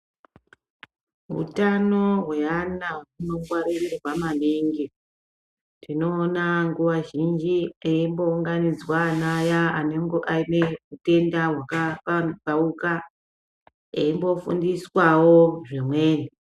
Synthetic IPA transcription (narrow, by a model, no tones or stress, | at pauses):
ɦṵtano̞ɦwe̞anauno̞ŋɡwaɾirirrwamaneŋɡe | tino̞ːnaŋɡuʋaʒind͡ʒieimbo̞uŋɡanid͡zwaːnajaane̞ŋɡoʔaineute̞ndawakakauka | eimbo̞fṵndiswawoʐimwe̞ːni